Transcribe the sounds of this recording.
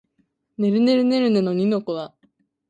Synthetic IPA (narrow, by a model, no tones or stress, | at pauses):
ne̞ɾɯ̟ne̞ɾɯ̟ne̞ɾɯ̟nɯnoɲ̟ino̞koβa